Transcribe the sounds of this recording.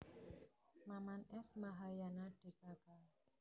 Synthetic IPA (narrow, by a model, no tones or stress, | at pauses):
mamanɛsmaɦajanaɖ̥ekaka